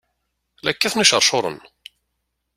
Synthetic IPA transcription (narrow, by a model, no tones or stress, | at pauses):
lækːæθnæʃəɾˤʃoɾˤə̰n